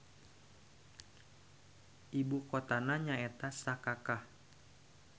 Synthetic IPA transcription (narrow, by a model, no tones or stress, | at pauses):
ʔibukɔt̪anaɲaɛt̪asakakah